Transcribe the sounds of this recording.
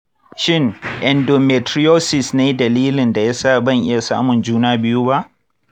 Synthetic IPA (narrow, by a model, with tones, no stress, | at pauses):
ʃɪ˦ŋʔɛ˨ndo˨me˨tɾɪ˦joː˦sɪ˨sneː˦dɐ˨liː˦lɪ˨nda˨ja˦saː˦˨bɐ˦˨ŋʔɪ̰˦ja˨sa̰ː˦mʊ˨nd͡ʒuː˦naː˦bɪ˦juː˦ba˦ʔ